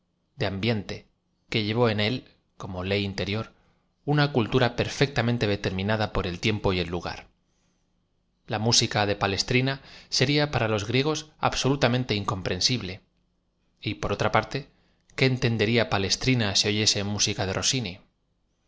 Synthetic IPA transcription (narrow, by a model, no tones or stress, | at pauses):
d̪eambje̞nt̪e̞ | ke̞ʝe̞β̞o̞e̞ne̞l | ko̞mo̞le̞jint̪e̞ɾjo̞ɾ | unakult̪uɾape̞ɾfe̞k̚t̪amẽnt̪e̞ð̞e̞t̪e̞ɾmĩnað̞apo̞ɾe̞lt̪je̞mpo̞je̞lːuɣa̰ɾ | lamusikaðe̞pale̞st̪ɾinase̞ɾiapaɾalo̞zɣɾje̞ɣ̞o̞sa̰βso̞lut̪amẽnt̪e̞iŋko̞mpɾe̞nsiβle̞ | ipo̞ɾo̞t̪ɾapaɾt̪e̞ | ke̞ːnt̪e̞nd̪e̞ɾiapale̞st̪ɾinaseo̞ʝe̞se̞musikaðe̞ro̞sini